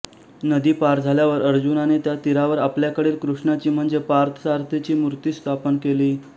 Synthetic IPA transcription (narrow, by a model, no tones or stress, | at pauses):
nəd̪iːpaɾd͡zʱaljaʋəɾəɾd͡ʑunanet̪jat̪iɾaʋəɾapljakəɽiːlkɾuʂɳat͡ɕiːm̤əɳd͡zepaɾt̪ʰə̥saɾt̪ʰet͡ɕiːmuɾt̪iːst̪ʰapənkeliː